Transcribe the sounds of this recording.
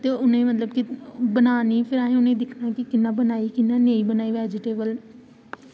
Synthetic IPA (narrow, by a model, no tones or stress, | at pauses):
t̪eːʊnẽːmət̪ləbkɪbənaːniːpʰɪɾaːɦẽʊnẽːd̪ɪkʰnãːkɪkɪnːãːbənaːiːkɪnːãːnẽːĩːbənaːiːʋɛːd͡ʒɪʈeːbəl